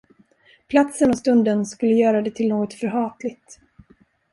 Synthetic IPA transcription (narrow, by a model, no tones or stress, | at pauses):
pʰlat̪sənɔst̪ɵnd̪ənskɵlːəjœːɾad̪ɛt̪ʰɪlnoːɡɔt̪fœɾɦɑːt̪lɪɡ̚t̪